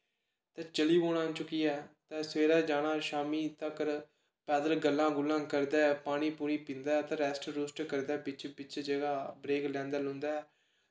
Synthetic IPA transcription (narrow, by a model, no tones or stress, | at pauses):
t̪ɛ̃ːt͡ʃəliːboːɽãːt͡ʃʊkːiːɛːt̪ɛ̃ːsʋeːɾaːd͡ʒaːɽ̃aːʃaːmiːt̪əkɾ | pɛːd̪əlɡəlːãːɡʊlːãːkəɾd̪ɛːpaːɽ̃iːpuːɾiːpɪ̃ːnd̪aːɛːt̪ɛ̃ːɾɛːsʈɾʊːsʈkəɾd̪ɛːbɪt͡ʃbɪt͡ʃd͡ʒeːɡaːbɾeːklɛ̃ːnd̪aːlʊ̃nd̪aːɛː